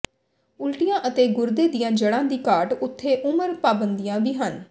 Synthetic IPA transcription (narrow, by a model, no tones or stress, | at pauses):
ʊlʈijãːʔət̪eːɡʊɾd̪eːd̪ijãːd͡ʒəɽãːd̪iːkaːɾʈʊt̪ʰːeːʔʊməɾpaːbənd̪ijãːbiːɦən